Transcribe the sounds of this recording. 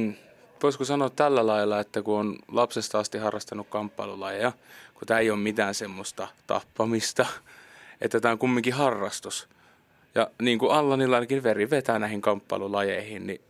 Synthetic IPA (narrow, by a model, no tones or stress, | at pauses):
ʋoiskosɑnoːt̪t̪ælːælɑilːɑet̪ːækuonlɑpsest̪ɑɑst̪ihɑrːɑst̪ɑnukkɑmpːɑilulɑjejɑkut̪æːeijoːmmit̪æːnsemːost̪ɑt̪ɑ̰pːɑmist̪ɑ | ʔḛt̪ːæt̪æːoŋkumːiŋkihɑrːɑst̪us | jɑniːŋkuɑlːɑnilːɑinɑkiʋʋeriʋet̪æːnæˑihiŋkɑmpːɑ̰ilulɑjeihinni